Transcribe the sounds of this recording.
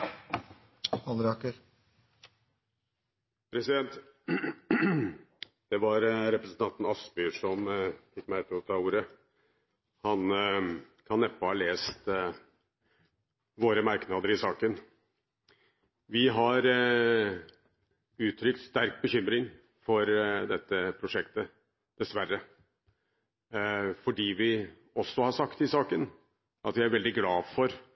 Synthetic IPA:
hɑlɾɑkəɾ | pʰɾɛsɪd̪ɛnt̪ | d̪̥ɛʋɑɾɾɛpɾəsən̩t̪ɑnt̪n̩ɑsbʏʂɔmfɪkːmæɪt̪ʰːɪlɔt̪ʰɑːuːɾə | hɑn | kʰɑnɛpːəhɑleːst̪ | ʋoːɾəmɑɾknɑːd̪əɾɪsɑːkən | ʋɪɦɑɾ | ʉːt̪ʰɾʏkt̪st̪æɾk̚bəçʏmɾɪŋ | fɔɾd̪ɛt̪ːəpʰɾʊʂɛkt̪ə | d̪̥ɛsʋæɾːə | fɔɖiːʋɪ | ɔsːɔhɑʂɑkt̪ɪsɑːkən | ʔɑt̪ʋææɾʋɛld̪ɪɡlɑːʋfɔɾ

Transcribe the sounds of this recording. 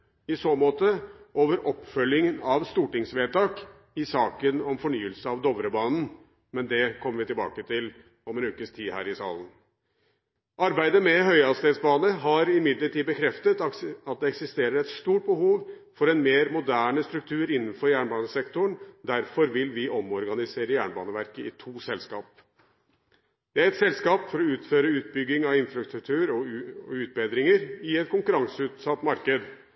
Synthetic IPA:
ɪsoːmoːt̪əʔoːʋəɾʔɔpːfœljɪŋənɑʋst̪uːʈɪŋsʋeːt̪ɑːk | ɪsɑːkənɔmfɔɳyːəlsəɑʋd̪ɔʋɾəbɑːnn̩ | mɛnd̪ɛkʰɔmːəɾʋɪt̪ɪlbɑ̰ːkət̪ʰɪl | ɔmɛnʉːkəst̪ʰiːhæ̰ːɾɪsɑ̰ːlən | ʔɑɾbæɪd̪əmɛɦœʏɑst̪eːd̪sbɑːnəɦɑɾɪmɪd̪ləʈʰiːd̪bəkʰɾɛft̪ət̪ɑt̪̚d̪ɛɛksɪst̪eːɾəɾɛt̪st̪uːʈ̚bəhuːʋ | fɔɾɛnmeːɾmʊd̪æːɳəst̪ɾʉk̚t̪ʰʉːəɾɪnːn̩fɔɾjæːɳbɑːnəsɛkt̪ʊɳd̪æɾfɔɾʋɪlʋɪʔɔmɔɾɡɑnɪseːɾəjæːɳbɑ̰ːnəʋæɾkəɪt̪ʰuːsɛlskɑ̰ːp̚ | d̪̥ɛæɾɛt̪sɛlskɑːpfɔɾɔʉːt̪føːɾəʉːt̪̚bʏɡːɪŋɑʋɪnfɾɑst̪ɾʉk̚t̪ʰʉːəɾɔʉːt̪̚beːd̪ɾɪŋəɾɪɛt̪̚kʰʊŋkʉɾɑŋsəʉːt̪sɑt̪ːmɑɾkəd̪

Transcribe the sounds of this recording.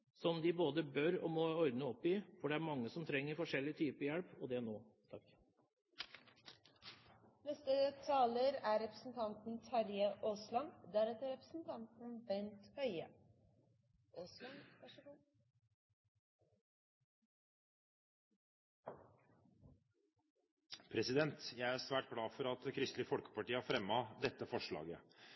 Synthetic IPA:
sɔmd̪ɪboːd̪əbœɾɔmɔɔɾd̪nəɔpːɪfɔɖɛæɾmɑŋːəsɔmt̪ʰɾɛŋːəɾfɔʂɛlɪt̪ʰyːpəjɛɽpɔd̪ɛnoːt̪ʰɑk | nɛst̪ət̪ʰɑːləɾæɾɛpɾəsn̩t̪ʰɑnt̪n̩t̪ʰɑɾjəʔoːslɑnd̪æɾɛt̪əɾɛpɾəsn̩t̪ʰɑnt̪n̩bɛnt̪hœʏə̰ | ʔoːslɑŋʋæʂəɡu | pʰɾɛsɪd̪ɛnt̪jæɪæsʋæːʈ̚ɡlɑːfɔɾɑt̪̚kʰɾʏst̪lɪfɔlkə̥pɑʈiːɑfɾɛmːɑd̪ɛt̪ːəfɔʂɭɑ̰ːɡə̰

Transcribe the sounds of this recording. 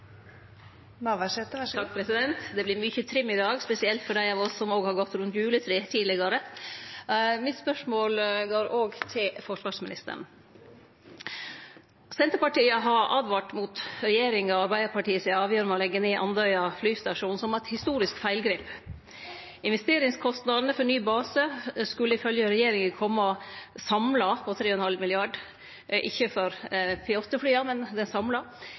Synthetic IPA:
ʋæɛt̪ʰɑk̚ːpʰɾɛsɪd̪ɛnt̪d̪ɛblɪɾmʏçət̪ʰɾɪmːɪd̪ɑːɡspɛsɪɛlt̪fɔɖæɪɑːʋɔsːɔmoːɡhɑɾɡɔt̪ːɾʉnt̪jʉːlət̪ʰɾeːt̪ʰiːlɪɡɑɾə | mɪt̪spœʂmoːlɡoːɾoːɡt̪ʰɪlfɔʂʋɑːʂmɪnɪst̪ə̰ɳ̩ | sɛnt̪əpɑʈiːəɦɑɾʔɑːd̪ʋɑʈmut̪ɾɛjeːɾɪŋɔɑɾbæɪd̪əɾpʰɑʈiːəsɪɑːʋjœːɾəmɛɔlɛɡːəneːʔɑnd̪œʏɑflyːst̪ɑʂuːn̩sɔmɑt̪hɪst̪uːɾɪskfæɪlɡɾeːp | ɪnʋɛst̪eːɾɪŋskʰɔst̪nɑd̪ənəfɔɳyːbɑːsəskʉlːəɪfœljəɾɛjeːɾɪŋəkʰɔmːəɔsɑmlɑpʰɔt̪ʰɾeːɔɛnhɑlmɪlɪɑːɖ | ʔɪ̰çːəfɔɾpʰɪot̪əflyːɑmɛnd̪ɛnsɑmlɑ

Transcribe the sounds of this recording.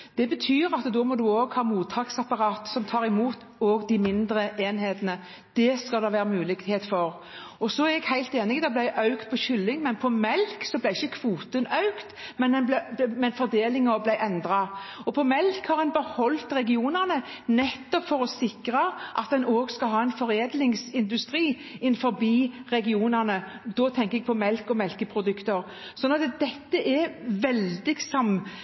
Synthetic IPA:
d̪̥ɛbət̪ʰyːɾɑt̪d̪oːmɔd̪ʉoːɡhɑːmuːt̪ʰːɑːksɑpɑɾɑːt̪sɔmt̪ʰɑːɾɪmuːt̪ | oːɡd̪ɪmɪnd̪ɾəʔeːnheːt̪ənə | d̪̥ɛskɑld̪ɛʋæːɾəmʉːlɪɡheːt̪fɔɾ | ɔsɔæɾɛɡhæɪlt̪eːnɪd̪ɑblæɪʔɑʉkt̪̚pʰɔçʏlːɪŋmɛnpʰɔmɛlksɔblæɪɪçːəkʰʋuːt̪ənɑʉkt̪mɛnɛnblɛmɛnfɔɾd̪eːlɪŋɔblæɪʔɛnd̪ɾɑɔpʰɔmɛlkhɑɾɛnbəhɔlt̪ɾɛɡɪuːnæʁnə | nɛt̪ːɔpfɔɾɔsɪkɾɑʔɑt̪̚d̪ɛnoːɡskɑlɦɑːɛnfɔɾeːd̪lɪŋsɪnd̪ʉst̪ʁiː | ɪnfɔɾbiːʁɛɡɪuːnəʁnə | d̪ɔt̪ʰɛŋkəɛɡ̚pʰɔmɛlkɔmɛlkəpʰɾʊd̪ʉkt̪əɾ | sɔnɑt̪d̪ɛt̪ːəʔɛʋɛld̪ɪɡsɑm

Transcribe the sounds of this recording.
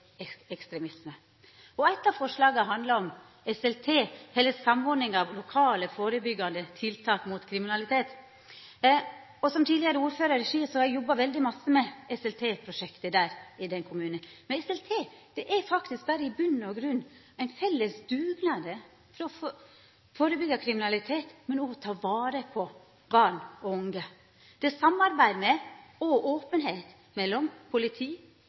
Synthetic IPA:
ɛɛkst̪ɾɛmɪsmə | ɔæɪt̪ːɑʋfɔʂlɑːɡɑɦɑnd̪lɑɾɔm | ɛsɛlt̪ʰeːhɛlːəsɑmɔɾɖnɪŋɑʋlʊkʰɑːləfoːɾəbʏɡːɑnd̪ət̪ʰɪlt̪ʰɑːkmut̪kʰɾɪmɪnɑlɪt̪ʰeːt̪ | ɔsɔmt̪ʰiːd̪lɪəɾəuːɾføːɾɑɾɾɛʂiːsɔɑjɔbːɑʋɛld̪ɪmɑsːəmɛɛsɛlt̪ʰeːpʰɾʊʂɛkt̪əd̪æːɾɪd̪ɛnkʰʊmʉːnəmɛnɛsɛlt̪ʰeːd̪̥ɛʔæɾfɑkt̪ɪsk̚bæɾəɪbʉnːɔɡɾʉnː | æɪnfɛlːəsd̪ʉːɡnɑd̪ə | fɾɔɔ | foːɾəbʏɡɑkʰɾɪmɪnɑlɪt̪ʰeːt̪mɛnɔt̪ʰɑːʋɑːɾəpʰɔ | bɑɳɔʊŋɡə | d̪̥ɛsɑmːɑɾbæɪd̪mɛɔʔoːpənɦeːt̪ | mɛlːɔmpʰʊlɪt̪ʰiː

